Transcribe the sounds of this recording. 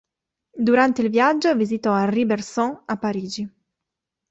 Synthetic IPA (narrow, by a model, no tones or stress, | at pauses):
d̪uɾant̪eilvjad͡ʒːovizit̪ɔarːibersɔŋapːaɾiːd͡ʒi